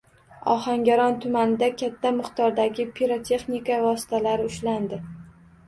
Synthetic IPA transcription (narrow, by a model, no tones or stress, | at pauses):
ɒ̰haŋɡʲaɾɒnt̪ʰʊmanɪd̪akʲʰat̪ʰːamɨqt̪ʰɒɾd̪aɡʲɪpʰiɾot̪ʰe̞χnikavɒsɪ̥t̪ʰalaɾɪʊʃland̪ɪ